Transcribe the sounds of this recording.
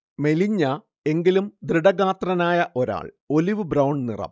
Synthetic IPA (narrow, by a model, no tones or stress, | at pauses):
me̞liɲːɐ | e̞ŋɡilumd̪riɽɐɣaːt̪rɐnaːjɐʔo̞ɾa̰ːɭ | o̞liʋɨbɾɐwɳnḭrɐ̰m